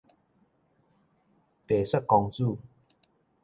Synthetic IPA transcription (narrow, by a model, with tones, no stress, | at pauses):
p̪e˨swa˥˦t̚kɔ˧ŋt͡su˥˧˨